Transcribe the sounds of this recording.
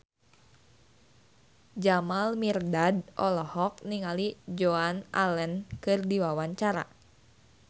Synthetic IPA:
d͡ʒamalmirdadʔɔlɔhɔk̚niŋalid͡ʒoana̰lɛnkɨrdiwawaɲt͡ʃaɾa̰

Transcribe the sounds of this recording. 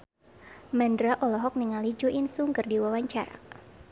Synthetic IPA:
mɛndɾaʔɔlɔɦɔk̚niŋalid͡ʒuʔinsuŋɡərdiwawaɲt͡ʃaɾa̰

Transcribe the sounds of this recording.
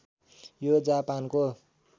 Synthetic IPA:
jod͡zapanko

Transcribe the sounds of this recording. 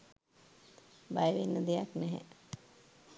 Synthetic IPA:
bajəʋenːəd̪ejaknɛɦɛ̰

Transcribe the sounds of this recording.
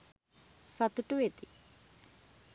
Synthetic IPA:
sɐt̪uʈuʋet̪i

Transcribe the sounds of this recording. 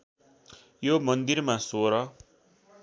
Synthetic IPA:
jomʌnd̪irmasoɾʌ

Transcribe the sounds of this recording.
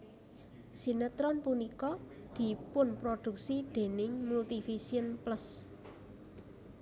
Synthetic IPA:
sinət̪ɾɔnpunikɔd̪̥i̤pʊnpɾod̪̥ṳk̚sid̪̥e̤nɪŋmult̪ifisiənpləs

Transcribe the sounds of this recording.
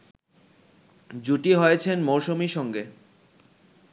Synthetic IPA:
d͡ʑuʈiɦojet͡ɕʰenmowʃomiʃɔŋɡe

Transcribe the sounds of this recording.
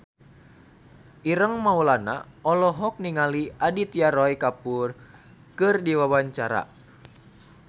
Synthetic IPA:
ʔiɾəŋmaulana̰ɔlɔɦɔk̚niŋaliadit̪iaɾɔikapur | kɨrdiwawaɲt͡ʃaɾa̰

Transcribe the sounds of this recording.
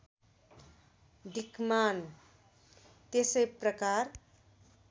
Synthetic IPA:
d̪ikman | t̪esəjprʌkaɾ

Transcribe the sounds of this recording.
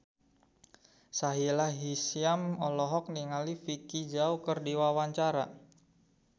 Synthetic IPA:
saɦilaɦisiamɔlɔɦɔk̚niŋalifikid͡ʒaukərdiwawaɲt͡ʃaɾa̰

